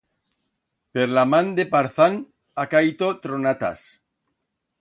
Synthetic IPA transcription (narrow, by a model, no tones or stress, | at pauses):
peɾlamãnd̪epaɾθan | akajt̪ot̪ɾonat̪a̰s